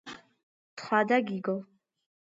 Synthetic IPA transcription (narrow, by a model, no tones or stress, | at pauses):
t̪χwad̪aɡiɡɔl